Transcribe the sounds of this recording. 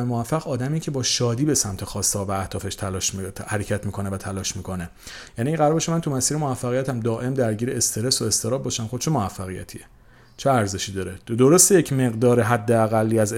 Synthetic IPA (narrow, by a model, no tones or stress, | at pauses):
emovæfːæɣɒːd̪æmiːcʰe̞bɒːʃɒːd̪iːbesæmt̪ʰexɒːst̪eɒːvææht̪ɒːfe̞ʃt̪ʰælɒʃhæɾecʰæt̪miːkʰo̞nevæt̪ʰælɒːʃmiːkʰo̞ne̞ | jæːniːɢæɾɒɾbeʃomænt̪umæsiːɾemovæfːæɣijæt̪ʰæmd̪ɒːʔe̞md̪æɾɟiːɾeest̪ʰe̞ɾesoe̞st̪ʰe̞ɾɒːb̚bɒːʃæmχod̪eʃemoæfːæɣijæ̰t̪ʰie | t͡ʃʰeæɾze̞ʃiːd̪ɒːɾed̪oɾost̪ejecʰme̞ɣd̪ɒːɾeɦæd̪ːe̞æɣælːiːæz